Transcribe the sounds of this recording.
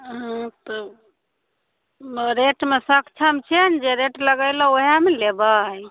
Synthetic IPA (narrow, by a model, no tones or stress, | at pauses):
ɦãt̪ɔ | ɾeʈmesəkʰt͡ʃʰəmt͡ʃʰend͡ʒeɾeʈləɡəjlɔ̃oɦemelebaj